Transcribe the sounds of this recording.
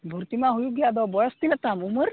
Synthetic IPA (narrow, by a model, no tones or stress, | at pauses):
bʱuɾt̪imaɦujuɡjad̪ɔbɔɭəst̪ilat̪amuməɾ